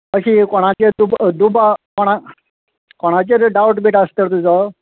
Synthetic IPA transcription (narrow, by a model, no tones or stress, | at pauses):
əɕikɔɽ̃at͡ɕed̪ubd̪ubakɔɽ̃a | kɔɽ̃at͡ɕeɾɖawʈbiʈast̪əɾt̪ud͡za